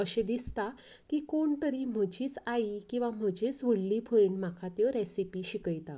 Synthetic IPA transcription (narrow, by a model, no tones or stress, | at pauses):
əɕẽd̪ist̪a | kikoɳt̪əɾim̤əd͡ʑiːt͡saikĩw̃ʋam̤əd͡ʑit͡sʋəɽlipʰəɾiɳm̤akʰat̪jɔɾesipiɕikəjt̪a